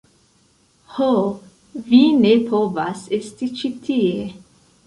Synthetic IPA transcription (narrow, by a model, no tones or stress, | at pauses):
ho | vinepʰovasest̪it͡ʃit̪ʰie